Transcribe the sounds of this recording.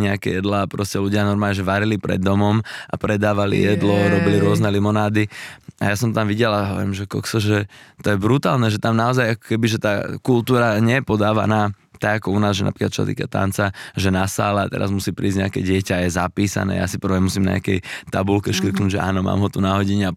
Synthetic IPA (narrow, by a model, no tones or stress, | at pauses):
ɲɛakɛ̰jɛd̪lapɾɔscɛluɟɪanɔɾmaːlɲɛʒɛʋaɾilipɾɛ̰d̪ːɔmɔmʔa̰pɾɛd̪aːʋalḭjɛd̪lɔɾɔbiliɾʊɔznɛlimɔnaːd̪iajasɔmt̪amʋiɟɛlaɦɔʋɔ̰ɾimʒɛkɔ̰ksɔʒɛt̪ɔjɛbɾut̪a̰ːlnɛʒɛt̪amnaɔzajakɔ̥kɛbiʒɛt̪aːkult̪uːɾaɲɛjɛpɔd̪aːʋa̰naː | t̪aɡakɔunaːzʒɛna̰pɾiːkat̪t͡ʃɔsa̰t̪ḭːkat̪a̰nt͡saʒɛnasa̰ːlaat̪ɛ̰ɾa̰zmusiːpɾiːzɟɲɛakɛɟɪɛcajɛzapiːsa̰nɛ̰ːja̰sipr̩ʋɛmusiːmna̰ɲ̰akɛjt̪abulkɛʃkr̩knuːɟʒɛʔa̰ːnɔma̰ːmɦɔt̪unaɦɔɟiɲɛa